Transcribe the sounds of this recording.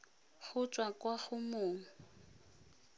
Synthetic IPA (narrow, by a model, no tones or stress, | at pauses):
χʊt͡ʃʼwakʼwaχʊmʊːŋ̩